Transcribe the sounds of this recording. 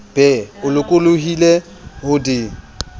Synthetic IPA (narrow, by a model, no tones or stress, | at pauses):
b̥ɛʊlʊkʼʊloɦile | hʊdɪ